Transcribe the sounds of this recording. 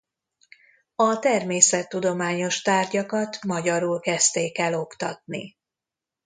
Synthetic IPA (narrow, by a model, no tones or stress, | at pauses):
ɒt̪ɛrmeːsɛt̪ːud̪o̞maːɲo̞ʃt̪aːrɟɒkɒt̪mɒɟɒɾulkɛst̪eːkɛlo̞kt̪ɒt̪nḭ